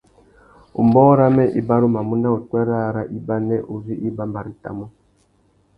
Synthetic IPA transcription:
ṵ˨mbɔ˦ɾa˦mɛ˦ʔi˦ba˦ɾu˦ma˨mu˦na˦u˨twɛ˦ɾa˦ɾa˦ʔi˦ba˦nɛ˦ʔu˨vi˦ʔi˦ba˦mba˨ɾi˨ta̰˨mu˦

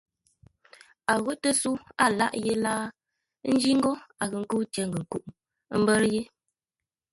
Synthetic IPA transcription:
a˨ɣo˦tə˦su˦a˦˨la̰˦ʔje˦laː˦ | n̩˦d͡ʒi˦ŋ̩˦ɡɔ˦a˨ɣə˨ŋ̩˦ku˦t͡ʃe˨ŋ˨ɡə˨ŋ̩˨ku˦ʔ | m̩˦bə˦ɾje˦

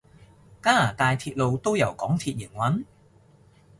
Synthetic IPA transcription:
kaː˥aː˨˩t̪aː˨˧jt̪ʰiː˧t̚lo˨˧wt̪o˥wjɐ˨˩wkɔː˨˥ŋt̪ʰiː˧t̚ji˨˩ŋwɐ˨˥n

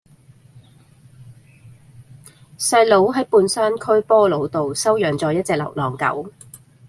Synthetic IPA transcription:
sɐ˧jlo˨˥wɦɐ˨˥jpuː˧nsaː˥nkʰɵ˥ɥpɔː˥lo˨˧wt̪o˨wsɐ˥wjœː˨ŋt͡sɔː˨˧jɐ˥t̚t͡sɛː˧k̚lɐ̰˨˩wlɔː˨˩ŋkɐ̰˨˥w

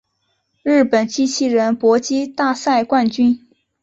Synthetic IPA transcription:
ɻɻ̩˥˩pə˨˩nt͡ɕi˥t͡ɕʰi˥˩ɻə˧˥npwɔ˧˥t͡ɕi˥t̪a˥˧sa˥˧ɪkwa˥˧nt͡ɕy˥n

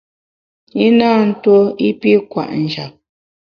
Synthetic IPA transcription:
i˦naː˦˨n̩˦two˦i˦pi˦kwa̰˨ʔn̩˨d͡ʒa˨p̚

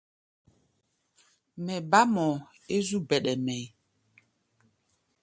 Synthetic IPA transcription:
mɛ˨ba˦mɔ˨ | e˦zu˦bɛ˨ɗɛ˨mɛ˨j

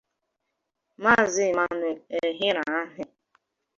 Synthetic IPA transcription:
ma˦˨zɪ˦˨ma˦˨nʊ˨e˨ɦɪ˦ɾa˨a˦ɦɪ˨

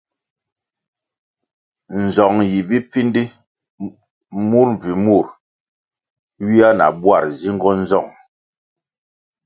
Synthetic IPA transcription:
n̩˨zɔ˨ŋji˨bi˦p͡fi˦ndi˦ | mu˦ɾm˨vi˨mu˦˨ɾ | ɥi˦a˦na̰˨bwa˦˨ɾzi˦ŋ˦ɡɔ˦n̩˦zɔ˦˨ŋ

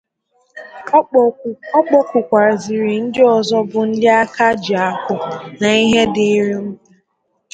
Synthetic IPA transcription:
ɔ˦k͡pɔ˦kʷʊ˨kʷa˨ɾzi˨ɾi˨n̩˦dɪ˦ɔ˨zɔ˦bʊ˨n̩˦dɪ˦a˦ka˦d͡ʒɪ˨a˨kʊ˦na˨i˦ɦe˦dɪ˦ɾi˦m̩˦bu˦˨

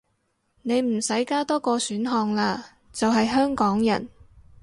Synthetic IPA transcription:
ne˨˧jm̩˨˩sɐ˨˥jkaː˥t̪ɔː˥kɔː˧syː˨˥nɦɔː˧ŋlaː˧ | t͡sɐ˨wɦɐ˨jɦœː˥ŋkɔː˨˥ŋjɐ̰˨˩n

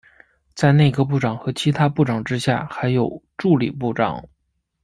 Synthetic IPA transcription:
t͡sa˥˧ɪne˥˩ɡə˧p̬u˥˩ʈ͡ʂɑ˨˩ŋxɤ˧˥t͡ɕʰi˧˥t̪ʰa˥pu˥˩ʈ͡ʂɑ˨˩ŋʈ͡ʂɻ̩˥ɕja̰˥˩xa˧˥ɪjo˨˩ʊʈ͡ʂu˥˩lḭ˨˩pu˥˩ʈ͡ʂɑ̰˨˩˦ŋ

